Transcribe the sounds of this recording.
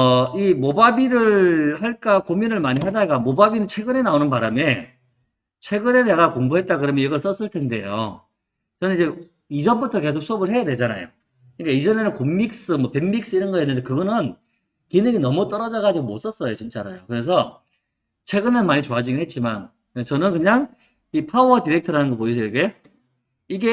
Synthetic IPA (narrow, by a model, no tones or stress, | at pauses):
ʌimobabiɾɯɭhaɭk͈akominɯɭmaɲiɦadaɡamobabinɯnt͡ɕʰe̞ɡɯne̞naonɯnpaɾame | t͡ɕʰe̞ɡɯne̞neɡakoŋbuɦe̞t̚t͈akɯɾʌmjʌiɡʌɭs͈ʌs͈ɯɭtʰe̞nde̞jo̰ | t͡ɕʌnɯnid͡ʑe̞ | id͡ʑʌnbutʰʌke̞s̬ʰok̚s͈obɯɭhɦe̞jade̞d͡ʑana̰jo̰ | kɯɲik͈aid͡ʑʌne̞nɯnkomːik̚s͈ɯmwʌpemːik̚s͈ɯiɾʌnɡʌenːɯndekɯɡʌnɯn | kinɯɡinʌmut͈ʌɾʌd͡ʑaɡad͡ʑiɡomots͈ʌs͈ʌjot͡ɕint͡ɕ͈aɾajokɯɾe̞s̬ʰʌ | t͡ɕʰwe̞ɡɯnɯnmaɲit͡ɕoad͡ʑiɡɯɦe̞t̚t͡ɕ͈iman | et͡ɕʌnɯnkɯɲaŋ | ipʰaoʌtiɾe̞k̚tʰʌɾanɯnŋɡʌpois̬ʰʌiɡe̞ | iɡe̞